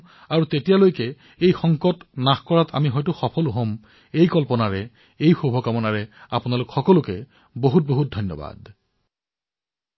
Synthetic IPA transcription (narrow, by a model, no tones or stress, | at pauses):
aɹutetijalojkɛ | ejxɔŋkɔtnaxkɔɹatʰa̰miɦɔjtʊxɔpʰɔluɦom | ejkɔlpɔnaɹɛ | ejxubʱɔkamɔnaɹɛapʊnalʊkxɔkɔlʊkɛ | boɦut̚boɦut̚dʱɔjnːɔ̰ba̰d